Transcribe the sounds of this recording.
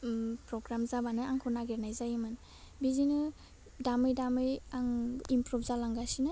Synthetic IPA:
pɾɔɡɾamzabanɯaŋkʰɯnaɡeɾnajzajimɯn | bizinɯ | damɯjdamɯjaŋimpɾubʰzalaŋɡasinɯ

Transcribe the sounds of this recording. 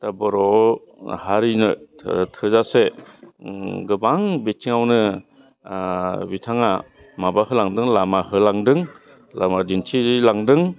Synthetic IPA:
tabɯɾɔ | haɾinɯtʰɯzase | ɡɯbaŋbetʰiŋawnɯ | bitʰaŋa | mabahɯlaŋdɯŋlamahɯlaŋdɯŋ | lamadintʰilaŋdɯŋ

